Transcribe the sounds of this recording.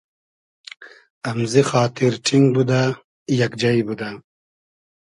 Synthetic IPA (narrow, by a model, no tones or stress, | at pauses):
ɐmzixaːt̪ʰiɾʈ͡ʂʰiŋɡbud̪a | jɐkd͡ʒɐjbud̪a